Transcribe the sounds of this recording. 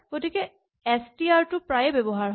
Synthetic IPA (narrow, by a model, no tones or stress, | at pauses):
ɡ̥otikɛ | ɛstiaɹtʊpɹajɛbɛbɔɦaɹɦ